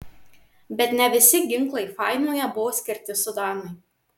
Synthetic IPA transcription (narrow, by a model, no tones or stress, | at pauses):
bʲɛt̪nʲɛʋʲɪsʲɪɡʲɪŋˑklˠɐɪfɑˑɪnʲoːjɛbʊʋoːsʲkʲɪɾʲt̪ʲɪsʊd̪ɑːnɐɪ